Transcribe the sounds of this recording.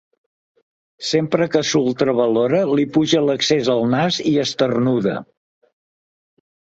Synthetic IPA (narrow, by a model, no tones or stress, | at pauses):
sempɾəkəsulˠt̪ɾəβəloɾəlipuʒələksezəlˠnaziəst̪ərnuðə̰